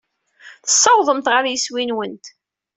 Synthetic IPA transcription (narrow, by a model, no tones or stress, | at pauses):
θə̥sˤːɑwðˤəmt̪ʁəɾjəswinwənt̪